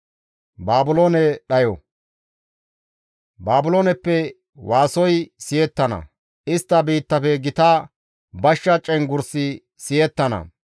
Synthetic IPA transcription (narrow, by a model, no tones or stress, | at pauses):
baːbʊloːnɛɗɐjɔ | baːbʊloːnɛpːɛ | waːsɔjsɪjɛt̪ːɐnɐ̰ | ɪst̪ːɐbiːt̪ːɐfɛɡɪt̪aː | bɐʃːɐt͡ʃʼːɛnɡʊɾsɪ | sɪjɛt̪ːɐnɐ̰